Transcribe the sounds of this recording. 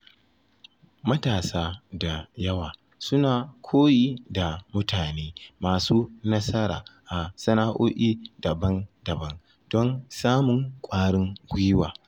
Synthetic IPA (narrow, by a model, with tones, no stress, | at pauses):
mɐ˦taː˨saː˦da˨jɐ˦waː˨ | sʊ˦naː˨kʷʰoː˦jiː˦da˨mʊ˦tʰaː˨neː˦maː˨suː˦nɐ˦sɐ˦ɾa̰ː˨ʔa˨sɐ˦na˦ʔoː˦ʔiː˦dɐ˨bɐ˦ndɐ˨bɐ˦n | d̥ɔ˦nsaː˦mʊ˨ŋkʷʼaː˦ɽɪ˦ŋɡʷi˦waː˨